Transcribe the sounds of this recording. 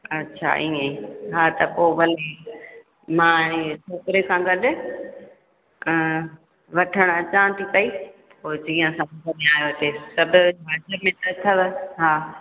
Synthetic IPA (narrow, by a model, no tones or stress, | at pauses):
ɐtːɕʰa̰ĩːẽɦaːt̪ɐpoːʋɐle | mãːt͡ʃʰoːkɪɾekʰãɡɐɗʊ̆ | ʋɐʈʰəɽ̃ɐt͡ɕãːt̪ʰikɐipoːd͡ʑiːə̃sɐ̃mtɐniaːjot̪esɐbʱɪbʱaːd͡ʒəbmẽt̪ɐt̪ʰɐʋɪɦaː